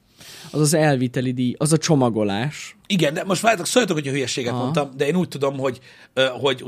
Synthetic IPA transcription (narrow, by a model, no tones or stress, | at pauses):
ɒzɒzɛlvit̪ɛlid̪ijɒzɒt͡ʃo̞mɒɡo̞laːʃiɡɛnd̪ɛmo̞ʃtʋaːɾt̪oksojɑt̪okhocʰɒɦyjɛʃeːɡɛtɦ̪ont̪ɒmd̪ɛeːnuːc̚t̪ud̪o̞mɦo̞ɟ | ɦo̞ɟ